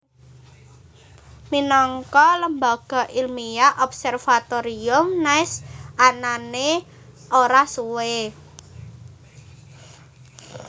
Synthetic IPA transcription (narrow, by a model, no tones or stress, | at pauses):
minɔŋkɔləmbaɡ̥ɔ̤ʔilmijaʔɔp̚sɛrfat̪oɾiʊmnaɪsanane | oɾasuwe